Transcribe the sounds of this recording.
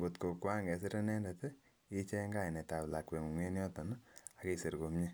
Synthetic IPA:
bo˨tko˨kwa˦ŋɡɛ˨si˦ɾe˦nɛ˦ndɛ˨te˦ | i˦t͡ʃe˦ŋɡa˦i˨nɛ˨ta˨bla˨kwe˨ŋu˨ŋe˦njɔ˦tɔ˨n˦a˨ke˦se˨ɾko˨mɲe˦

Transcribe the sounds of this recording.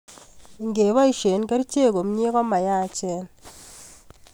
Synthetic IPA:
ŋɡe˨βa˦i˨˦ʃe˨˦nke˦ɾi˦t͡ʃe˦˨ko˨mɲe˦kɔ˦ma˨ja˦˨t͡ʃɛ˦n

